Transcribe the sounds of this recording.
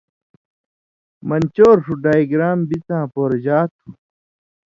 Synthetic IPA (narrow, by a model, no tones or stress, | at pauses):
mɐnt͡ɕoːɾʂuɖaːjɡɾaːmbit͡sãːpoːɾd͡ʑaːt̪ʰu